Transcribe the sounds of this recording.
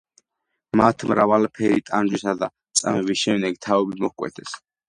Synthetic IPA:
mat̪ʰmɾavalpʰɛɾit̪ʼand͡ʒwisad̪a | t̪sʼa̰mɛvisʃɛmd̪ɛɡt̪ʰaɔbimɔhkʼwɛ̰t̪ʰɛs

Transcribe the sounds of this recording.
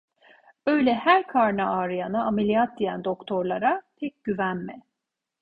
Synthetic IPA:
bø̞jlʲɛhæɾkʰaɾnaaːɾɯjanaːmelʲijat̪̚d̪ijænd̪o̞kt̪ʰo̞ɾlˠaɾat̪ʰɛc̚ʲɟ̥yvænmɛ

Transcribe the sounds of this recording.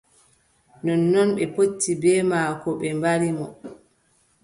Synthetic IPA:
nɔnːɔnɓɛpotːibɛːmaːkɔɓɛmbaɾimɔ

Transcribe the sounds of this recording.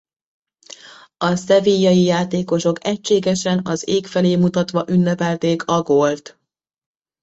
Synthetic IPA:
ɒsɛvijːɒjijaːt̪eːko̞ʃo̞kɛct͡ʃːeːɡɛʃɛnɒzeːkfɛleːmut̪ɒt̪ʋɒʔynːɛpɛlt̪eːkʰɒɡolt̪

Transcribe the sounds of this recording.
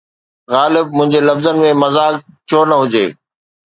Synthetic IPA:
ɣaːlɪb̚mʊ̃ɦɪ̃ɲd͡ʑelɐfzənɪ̆mẽmɐzaːkt͡ɕʰonɐɦʊd͡ʑeː

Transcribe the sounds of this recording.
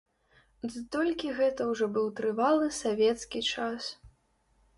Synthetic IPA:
zt̪ɔlʲkʲiɣɛt̪ɐwʐɔbɨwt̪ɾɨvalˠɨsavʲɛt̪skʲit͡ʂas

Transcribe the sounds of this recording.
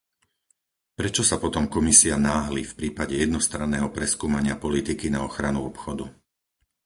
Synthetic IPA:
pɾɛt͡ʃɔsapɔt̪ɔmkɔmisianaːɦlifpɾiːpaɟɛjɛd̪nɔst̪ɾanːɛːɦɔpɾɛskuːmaɲɪapɔlit̪ikinaɔxɾanuɔpxɔd̪u

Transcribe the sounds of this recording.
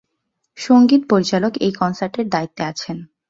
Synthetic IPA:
ʃoŋɡit̪̚poɾit͡ɕalokejkɔnsaɾʈeɾd̪ait̪ːeat͡ɕʰen

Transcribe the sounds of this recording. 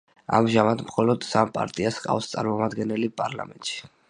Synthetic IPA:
a̰mʒamad̪mχɔlɔd̪sampʼa̰ɾt̪ʼiasqʼa̰fst̪sʼa̰ɾmɔmad̪ɡɛnɛlipʼaɾla̰mɛ̰nt̪ʼʃi̥

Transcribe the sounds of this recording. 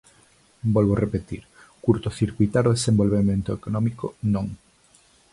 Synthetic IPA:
bɔlβorepet̪iɾ | kuɾt̪oθiɾkwujt̪aɾoðesẽmbolβemẽnt̪oekonɔ̃mikonõŋ

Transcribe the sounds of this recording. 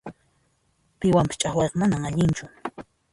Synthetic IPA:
pɪwampɪ̥t͡ʃʼaχwɑjqɑmanaŋaʎɪnt͡ʃʊ

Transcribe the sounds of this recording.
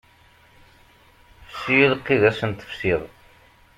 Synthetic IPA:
fsiðqːiðæsənt̪ə̥fsiðˤ

